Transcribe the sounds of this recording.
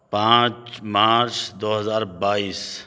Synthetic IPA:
pãːt͡ʃmaːɾt͡ʃd̪oːɦɐzaːɾbaːiːs

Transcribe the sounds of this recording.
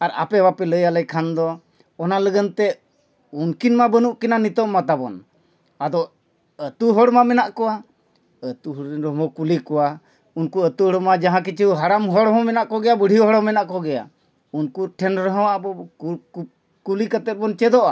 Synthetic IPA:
aɾa̰pɛbapɛləjalɛjkʰand̪ɔ | ɔnaləɡənt̪ɛ | unkinmabənuʔkinanit̪ɔʔmat̪abɔ̰n | ad̪ɔ | ət̪uɦɔɽmamɛnaʔkɔwa | ət̪uɦɾnɾmɔkulikɔwa | unkuət̪uɔɽɔmad͡ʒaɦãk̬it͡ʃʰiɦaɽamɦɔɽɦɔ̃mɛnaʔkɔɡɛjabəɽʱiɔɦɔɽɔmɛnaʔkɔɡɛja̰ | unkuʈʰɛnɾəɦə̃waʔbɔ | kulikat̪ɛt̪̚ˀbɔnt͡ʃɛd̪ɔʔa

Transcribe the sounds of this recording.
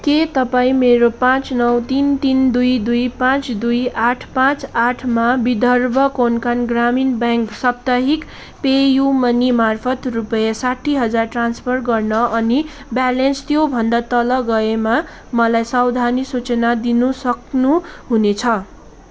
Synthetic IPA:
ket̪ʌpaĩmeɾopãt͡snʌwt̪int̪ind̪ujd̪ujpãt͡sd̪ujaʈʰpãt͡saʈʰmabid̪ʌrbʌkonkanɡraminbãŋksʌp̚t̪aɦik | pejumʌnimarpʰʌt̪rupʌjʌsaʈʰiɦʌd͡zarʈranspʰʌrɡʌrnʌʔʌni | balenst̪jobʱʌnd̪at̪ʌlʌɡʌema | mʌlajsʌwd̪ʱanisut͡sʌnad̪inusʌknuɦunet͡sʰʌ

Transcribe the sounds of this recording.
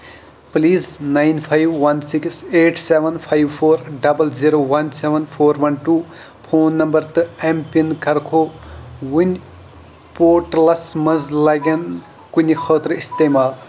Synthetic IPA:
pliːznajnpʰajʋːɐnsikseːʈʰseʋɐnpʰajʋpʰoːɾɖɐbɐlziɾoːʋɐnseʋɐnpʰoːɾʋɐnʈuː | pʰoːnːɐmbɐɾt̪ɨempɐnkɐɾkʰoːwʊnʲ | poːʈlɐsmɐzlɐɡen | kunʲixʰəːt̪ɾist̪emaːl

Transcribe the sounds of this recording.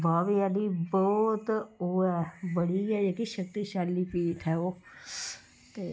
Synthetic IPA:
baːʋiːaliːbɔːt̪oːɛːbəɽiɛːd͡ʒekiʃəkt̪iʃaːlːiːpiːt̪ʰɦɛːoː | t̪eː

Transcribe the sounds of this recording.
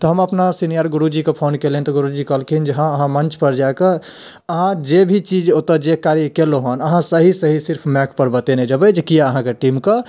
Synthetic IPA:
t̪ɔɦɐməpnasinijəɾɡʊɾud͡ʒikepʰoːnkelent̪ɔɡʊɾud͡ʒikəlkʰind͡ʒəɦãəɦãmə̃nt͡ʃpəɾd͡ʒaeke | əɦãd͡ʒebʱit͡ʃiːd͡ʒot̪əd͡ʒekaɾikeloɦonəɦãsəɦisəɦisɪɾpʰmɛkʰpəɾbət̪enɛd͡ʒəbed͡ʒkijaəɦãkeʈiːmka

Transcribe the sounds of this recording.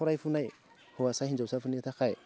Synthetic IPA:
uɾajfunaj | huwasahind͡ʒasafunitaka

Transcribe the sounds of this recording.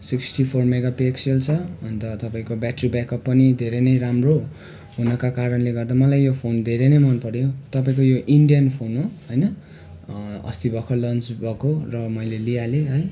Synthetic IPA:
siksʈipʰormeɡapekselt͡sʰʌʌnt̪ʌt̪ʌpaĩkobjaʈribakʌpːʌnid̪ʱeɾenʌjɾamro | ɦunʌkakaɾʌnleɡʌrd̪amʌlajːopʰond̪ʱeɾenʌjmʌnpʌɾjot̪ʌpaĩkojoʔiɳɖijʌnpʰonɦoɦʌjnʌ | ʌ̰st̪ibʱʌkolʌnt͡sbʱʌkorʌmʌjlelijaleɦʌj

